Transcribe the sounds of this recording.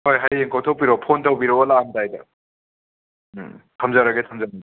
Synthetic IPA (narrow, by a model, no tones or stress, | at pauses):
hojɦajeŋkʰawtʰawpiɾopʰontʰawpiɾɔwalaːmtajda̰ | tʰamzaɾaɡetʰamzan